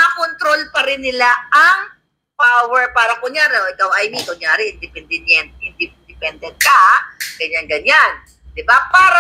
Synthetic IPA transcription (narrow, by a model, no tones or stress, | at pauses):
akont̪ɾolpɐɾɪnːɪlaʔɐŋ | pawɛɹpaːɾɐkʊŋjaːɾɛoʔɪkɐwɐjmit̪ʊŋjaːɾɛʔɪnd̪ɪpɛnd̪ɛnjɛnt̪ʔɪnd̪ɪd̪ɪpɛnd̪ɛnt̪̚kɐɡɐɲanɡɐɲan | d̪ɪbapaːɾ